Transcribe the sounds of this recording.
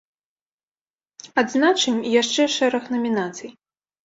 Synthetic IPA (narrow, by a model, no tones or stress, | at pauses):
ad̪znat͡ʂɨmijaʂt͡ʂɛʂɛɾɐxnɐmʲinat̪sɨj